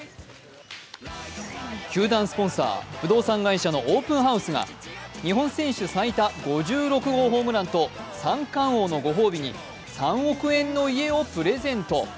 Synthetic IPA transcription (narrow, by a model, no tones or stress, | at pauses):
kʲɨːd̪ãɰ̃sɨ̥põ̞ɰ̃sa̰ːɸɯ̟d̪o̞ːsãŋɡaiɕano̞ʔoːpɯ̟̃ɰɦaɯ̟sɨɡa̰ɲ̟iɦõ̞ɰ̃sẽ̞ɰ̃ɕɨsait̪aɡo̞ʑɨːɾo̞kɯ̟ɡo̞ːɦo̞ːmɯ̟ɾãnt̪o̞ | sãŋkãɰ̃o̞ːno̞ɡo̞ɦo̞ːbʲiɲ̟ḭ | sãɰ̃o̞kɯ̟ẽ̞nːo̞ie̞o̞pɯ̟ɾe̞zẽ̞nt̪o̞